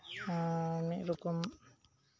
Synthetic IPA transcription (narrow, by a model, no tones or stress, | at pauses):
miʔɾukum